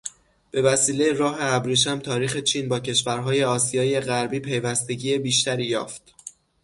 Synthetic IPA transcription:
b̥e̞væsiːle̞jeɾɒːɦe̞æbɾiːʃ̬æmt̪ʰɒːɾiːxe̞t͡ʃʰiːnbɒːcʰe̞ʃvæɾɦɒːje̞ɒːsijɒːje̞ɣæɾbiːpʰe̞jvæst̪e̞ɟiːje̞biːʃt̪æɾiːjɒ̰ːft̪

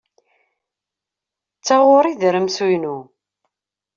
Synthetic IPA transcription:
t͡sːaʁʊɾˤiðɾəmsujnu

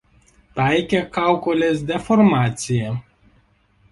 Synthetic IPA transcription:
t̪ajkʲekawkɔlʲesd̪ʲefɔɾmaːt̪sʲɪje

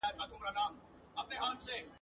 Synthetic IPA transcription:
aɦet̪ʰaːt̪ʊmɾaːnaːm | ɐpneɦãːmseː

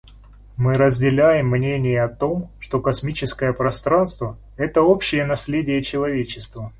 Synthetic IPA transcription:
mɨɾəzʲdʲɪlʲæjɪmːnʲenʲɪjəɐt̪o̞mʂt̪o̞kɐsmʲit͡ɕɪskəjəpɾɐst̪ɾanst̪və | ɛt̪əo̞pɕːɪjənɐsʲlʲedʲɪjət͡ɕɪlˠɐvʲet͡ɕɪst̪və

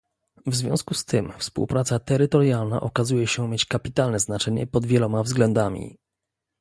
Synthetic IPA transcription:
vzvʲjɔ̰̃w̃skust̪ʰɘmfspṵwpɾat̪sat̪ɛɾɘt̪ɔɾjalna̰ʔɔkazujɛɕɛmʲjet͡ɕkapʲit̪alnɛznat͡ʂɛɲɛ̰pɔd̪vʲjɛlɔmavzɡlɛnd̪amʲḭ

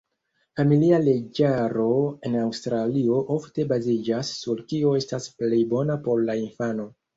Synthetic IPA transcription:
familiale̞d͡ʒaɾo̞e̞nawstɾalio̞ʔofte̞bazid͡ʒasːuɾkio̞e̞stasple̞jbo̞napo̞ɾlainfano̞

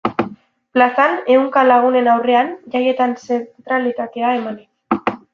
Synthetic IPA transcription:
plasane̞uŋkalaɣ̞une̞nawre̞anʝaje̞t̪anset̪ɾalit̪at̪e̞ae̞manik

